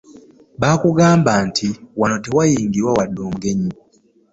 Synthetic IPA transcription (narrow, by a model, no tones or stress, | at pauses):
βaːkuɡaːmbaːntʰiwano̞te̞wajiːŋɡiɾwawadːoːmuɡe̞ɲi